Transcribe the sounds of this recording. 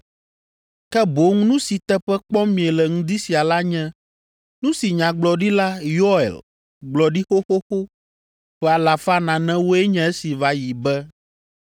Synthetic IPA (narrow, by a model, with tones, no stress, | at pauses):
kɛ˦bo˨˦ŋu˦nũ˦si˨t̪ɛ˦ɸɛ˦k͡pɔ˦mĩ˨ɛ˨lɛ˨ŋũ˦d̪i˦si˨a˨la˦ɲɛ̃˦ | nũ˦si˨ɲã˨ɡ͡blɔ˨ɖi˦la˦jo˦ḛ˨l | ɡ͡blɔ˨ɖi˦xo˦xo˦xo˦ | ɸɛ˦a˨la˨fa˦nã˨nɛ̃˦wo˦ɛ˦ɲɛ̃˦ɛ˦si˨va˦ji˨bɛ˦